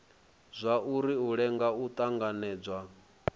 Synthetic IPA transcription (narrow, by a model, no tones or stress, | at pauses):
zʷauɾiuɺɛŋɡaut̪ʼaŋɡanɛːd͡zwa